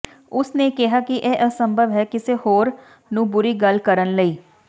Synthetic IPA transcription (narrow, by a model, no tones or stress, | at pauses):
ʊsneːkɪɦaːkɪʔeːʔəsəmbʱəʋɦɛːkɪseːhoːɾ | nũːbʊɾiːɡəlkəɾənləiː